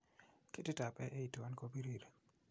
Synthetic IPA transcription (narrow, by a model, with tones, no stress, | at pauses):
ke˦tɪ˦ta˨pɛ˦ʔe˦i˨to˨wa˦nko˦bi˦ɾi˦˨ɾe˨